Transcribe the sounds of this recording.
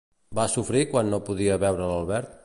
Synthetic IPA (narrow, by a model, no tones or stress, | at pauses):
basufɾikwanːopuðiəβɛwɾələlˠβɛɾt̪̚